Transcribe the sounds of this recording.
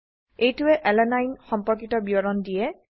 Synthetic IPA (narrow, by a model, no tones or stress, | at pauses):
ejtʊɛʔɛlɛnajnxɔmpɔɹkitɔbiɔɹɔndijɛ